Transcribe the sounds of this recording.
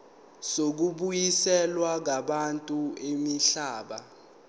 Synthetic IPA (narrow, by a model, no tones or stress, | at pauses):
sok̬uɓujisɛlwak̬aɓantʼuemiɬaːɓa